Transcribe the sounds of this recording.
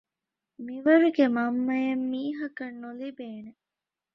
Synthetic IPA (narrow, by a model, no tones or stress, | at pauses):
miʋɐɾuɡemɐmːɐjɐmːiːɦɐkɐnːulibeːne